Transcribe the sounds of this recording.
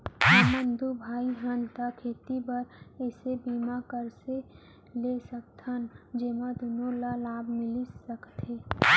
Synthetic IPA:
əmə̃nd̪ʱubʱaːiɦənt̪akʰeːt̪ibəɾɛːsebiːmakəɾse | lesək̚t̪ʰənd͡ʒemad̪onolalaːbmɪlisəkt̪eː

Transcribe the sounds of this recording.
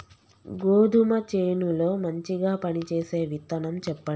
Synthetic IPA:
ɡoːd̪ʱumɐt͡ʃeːnulo̞ːmɐɲt͡ʃiɡaːpɐnit͡ʃeːse̞ːʋit̪ːɐnɐmt͡ʃɛpːɐ

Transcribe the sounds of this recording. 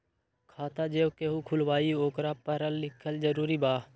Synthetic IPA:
kʰaːt̪aːd͡ʒeːokeːɦuːkʰʊlʋaːiːoːkɾaːpəɾəlːɪkʰːəld͡ʒəɾuːɾiːbaː

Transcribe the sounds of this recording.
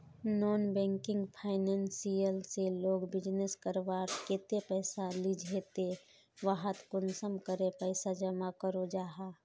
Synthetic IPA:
nɔːnbɛ̃ːŋkɪ̃ŋɡpʰaːɪnɛ̃ːnsijəlseloːɡbɪd͡ʒneskəɾʋaːɾket̪epɛːsalid͡ʒʱet̪e | ʋaɦət̪kʊnsəmkəɾepɛːɪsad͡ʒəmakəɾod͡ʒaːɦaː

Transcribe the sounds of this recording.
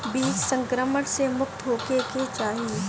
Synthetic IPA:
biːt͡ʃsə̃ŋkɾəməɽsemʊkt̪ɦoːkeket͡ʃaːɦie

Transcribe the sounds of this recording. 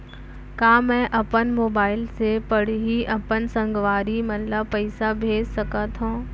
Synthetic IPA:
kaːmɛ̃ʔɐpənmoːbaːɪlsepəɽ̤ɦiʔɐpənsɐ̃ŋɡʋaːɾimɐnləpɐɪsabʱeːd͡ʒsɐkat̪ɦõː

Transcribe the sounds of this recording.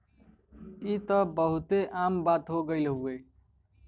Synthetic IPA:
it̪əbəɦut̪eʔambat̪ɦoɡəɪlɦue

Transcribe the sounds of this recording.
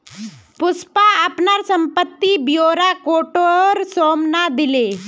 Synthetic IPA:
pʊspaəpnaɾsə̃mpət̪ːibijoːɾakoːʈoɾsoːmnad̪ɪleː

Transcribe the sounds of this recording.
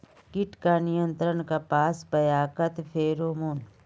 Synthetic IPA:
kɪʈkanɪjə̃nt̪ɾənkapaːsbɐjaːkət̪fʰeːɾoːmoːn

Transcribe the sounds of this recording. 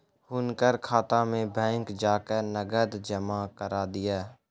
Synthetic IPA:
hʊnkəɾkʰaːt̪ãːmẽːbʱɛ̃ːŋkd͡ʒaːkəɾnəɡəd̪d͡ʒəmaːkəɾaːd̪ɪjaː

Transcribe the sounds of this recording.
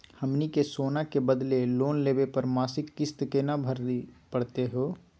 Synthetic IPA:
həmnikesoːnakebəd̪leloːnleːbepəɾmaːsɪkːɪst̪kenabʱəɾd̪pəɽt̪eɦoː

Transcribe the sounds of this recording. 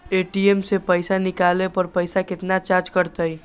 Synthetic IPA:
eːʈiemsepəɪsanɪkaːlepəɾpəɪsakɪt̪nat͡ʃaɾt͡ʃkəɾt̪əj

